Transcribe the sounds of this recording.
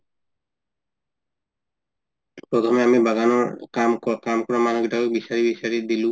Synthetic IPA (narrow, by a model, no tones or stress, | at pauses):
pɹɔt̪ʰɔmɛamibaɡanɔamkamkɔɹɔmanɔɡitakɔk̚bisaɹibisaɹidilʊ̃